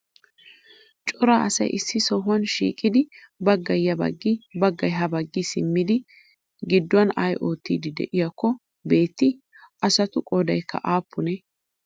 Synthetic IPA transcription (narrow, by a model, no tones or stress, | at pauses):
t͡ʃʼɔɾaːʔɐsɐ̰jʔɪsːɪsɔɦʊwɐnʃḭːkʼːɪd̪ɪ | bɐɡːɐjːɐbɐ̰ɡːɪbɐɡːɐjɦɐbɐɡːɪsɪmːɪd̪ɪ | ɡɪd̪ːʊwɐnaːjʔo̞ːt̪ːiːd̪ɪd̪ɛ̰ʔɪjɐkːɔ | be̞ːt̪ːɪ | ʔɐsɐt̪ʊkʼoːd̪ɐjkʰːɐ̰ʔaːpʰːʊnɛ